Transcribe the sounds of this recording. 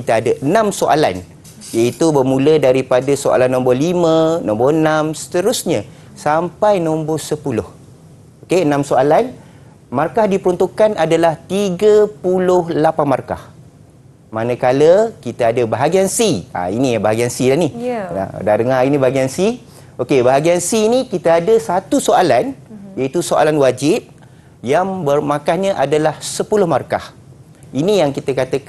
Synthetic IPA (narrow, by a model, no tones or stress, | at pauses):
kit̪aadaʔənãmsoʔa̰la̰n | jait̪ubərmũlədaɾipadasoʔa̰lanːɔ̃mbɔlimə̃nɔmbɔənamsə̥t̪əɾʊsɲa | sampajnɔ̃mbɔsəpulʊh | okeənãmsoalan | markahdipəɾɔnt̪ukanʔadalaht̪iɡəpulʊhlapanmarka̰h | manə̃kaləkit̪aadəbaɦaɡiansia̰inĩjabaɦaɡiansilania̰dadəŋainĩbaɦaɡiansi | okebaɦaɡiansiːnĩkit̪aadəsat̪usoalanjait̪usoʔa̰lanwad͡ʒɪp̚ | jaŋbərmãkahɲə̃ʔadalahsəpulʊhmarka̰h | inijaŋkit̪əkat̪ək